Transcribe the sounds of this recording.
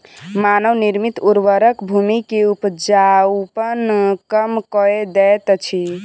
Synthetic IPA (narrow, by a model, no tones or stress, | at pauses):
manəwniɾmit̪uɾʋəɾəkbʱumikeupd͡ʒaupənkəmkɔed̪ɛt̪t͡ʃʰi